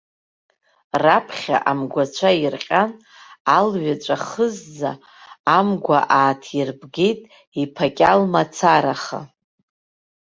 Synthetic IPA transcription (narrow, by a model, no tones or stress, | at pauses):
rapʰχʲa̰ʔamɡʷat͡ʃʷʰairqʲʼan | alɥat͡ʃʷʼaχəzd͡zaː | mɡʷa̰ʔaːtʰirbɡejtʼ | ipʰakʲʼalmat͡sʰaɾaχa̰